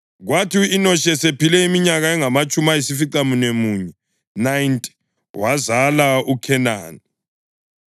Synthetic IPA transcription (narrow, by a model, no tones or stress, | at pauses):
ɣwatʰiːnɔʃɛsepilɛimiɲaɣaɛŋamat͡ʃʼumajisifiǀamunemuːɲɛ | najntʼ | wazalaukʰɛna̰ːni